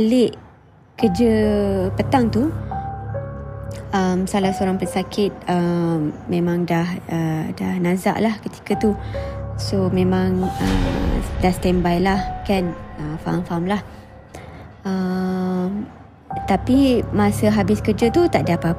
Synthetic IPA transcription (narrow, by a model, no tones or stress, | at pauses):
lɪʔ | kərd͡ʒəpət̪aŋt̪u | əmsalahsoɾaŋpənsakʰɪt̪̚əmmẽmãŋdahədahnaza̰ʔlahkət̪i̥kat̪u | somẽmãŋə̰dahst̪ɛmbajlahkanəfa̰amfamlah | ə | m | t̪apimasəɦabɪskərd͡ʒət̪ut̪aʔdaapa